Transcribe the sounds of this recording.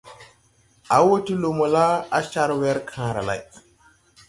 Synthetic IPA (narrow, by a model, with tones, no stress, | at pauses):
ʔa˨wo˦ti˦lo˨mo˨la˦a˨t͡ʃa˦ɾwɛ˦ɾkʰãː˦ɾa̰˨la̰˨j